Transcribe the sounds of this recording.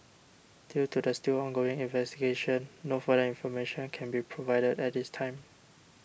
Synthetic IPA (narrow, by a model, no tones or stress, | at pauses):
d̥jutudəstilɔ̃nɡoɪ̃ŋĩnvɛstiɡeʃə̃nːofədəĩnfɔmeʃə̃nkʰɛ̃nbipʰɹovaɪdədɛt̚distʰãɪ̃m